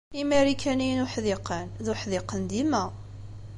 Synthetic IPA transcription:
imæɾikænijnʊħðɪqənðʊħðɪqənd̪imæ

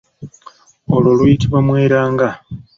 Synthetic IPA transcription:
olwolujitiβamwe̞ːɾaːŋɡa

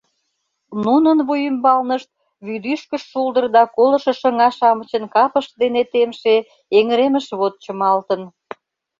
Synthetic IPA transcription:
nunənβujymbɑlnəʃt̪̚ | βyd̪yʃkəʃːuld̪ərd̪ɑkolə̆ʃə̆ʃə̆ŋɑʃɑmət͡ɕənkɑpəʃ̚d̪enet̪emʃe | eŋəɾeməʃβot̪̚t͡ɕəmɑlt̪ən

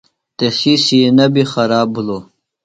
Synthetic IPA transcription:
t̪esisienɐbixɐɾaːbuloː

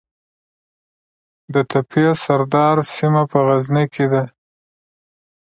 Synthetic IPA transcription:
d̪ət̪ʰapijasaɾd̪ɑɾsimapəɣaznikʰed̪a

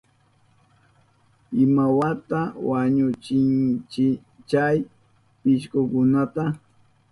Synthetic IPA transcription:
ɪmawat̪awaɲʊt͡ʃɪnt͡ʃɪ | t͡ʃaj | pɪʃkʊkʊnat̪a

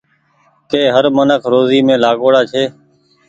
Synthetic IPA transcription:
keːɦəɾmənəkʰɾoːziːmẽːlaːɠoːɽaːt͡ʃʰeː

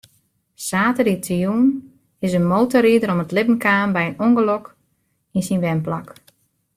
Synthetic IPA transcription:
saːtədiətʰijuːn | ɪsənmowtɔɾiədəɾɔmətlɪpən̩kaːnbɛjənoŋɡəlok | insinʋɛnpla̰k

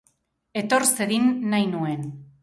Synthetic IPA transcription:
e̞t̪o̞ɾseðinːajnue̞n

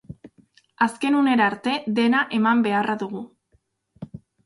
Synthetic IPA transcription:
aske̞nune̞ɾaɾt̪e̞ðe̞naʔe̞mambe̞araðuɣu

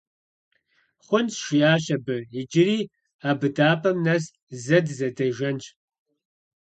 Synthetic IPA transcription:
χʷʊnsʃʷiaːʃɐbɨid͡ʒɪɾiː | aːbɨdaːpʰɐmnɐs | zɐdzɐdɐʒɐnt͡ʃʼ

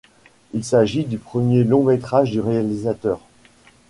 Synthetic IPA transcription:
ilsaʒid̪ypχəmjelɔ̃met̪χaʒd̪yʁealizat̪œːʁ

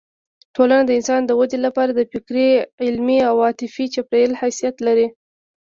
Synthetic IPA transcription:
ʈʰolanad̪əɪnsɑnd̪əwad̪elapɑɾad̪əfɪkɾeɪlmiawɑt̪ɪfit͡ʃapɾajəlhasijat̪laɾi

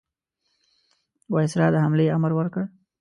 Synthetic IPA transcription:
wɑjɪsɾɑd̪əhamleaməɾwəɾkəɽ

